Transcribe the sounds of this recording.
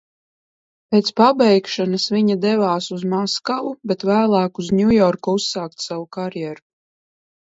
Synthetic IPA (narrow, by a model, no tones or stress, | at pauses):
pʲeːt̪spabɛjkʃanasviɲad̪ɛvaːsuzmaskavubet̪væːlˠaːkuzɲʲujɔɾkuusːaːkt̪savukaɾjɛɾu